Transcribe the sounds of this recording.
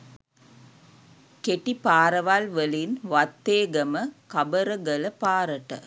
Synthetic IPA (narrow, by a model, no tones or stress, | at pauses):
keʈːipaːɾɐʋaːlʋɐlinʋɐt̪ːeːɡɐmɐkɐbɐɾɐɡɐlɐpaːɾɐʈːɐ̰